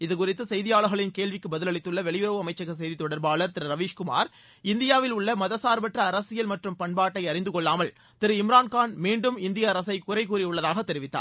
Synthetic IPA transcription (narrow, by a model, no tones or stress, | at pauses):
ɪðɯkʊrɪt̪ːɯsɛjðɪjaːɭɯɣɐɭɪnkeːɭʋɪkːɯbɐðɪlɐɭɪt̪ːɯɭːɐʋɛɭɪjʊɾɐʋɯɐmɐɪt͡ʃːɐɣɐs̬ɛjðit̪ːɔɽɐɾbaːɭɐɾt̪ɪɾɯɾɐʋiːʂkʊma̰ːɾ | ɪnd̪ɪjaːʋɪlʊɭːɐmɐðɐsaːɾbɐʈrɐːɾɐsɪjɐlmɐʈrɯmpɐɳbaːʈːɐɪɐɾɪnd̪ɯkɔɭːaːmɐl | t̪ɪɾɯɪmɪɾaːnkaːnmiːɳɖɯmɪnd̪ɪjɐːɾɐsɐɪkʊrɐɪkuːɾɪʊɭːɐðaːɣɐt̪ːɛɾɪʋɪt̪ːa̰ː